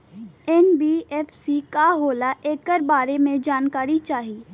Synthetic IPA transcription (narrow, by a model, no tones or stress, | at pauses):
ɛnbiːɛːfsikaɦoːlaʔeːkːəɾbaːɾemẽd͡ʒaːnkaːɾit͡ʃaːɦiː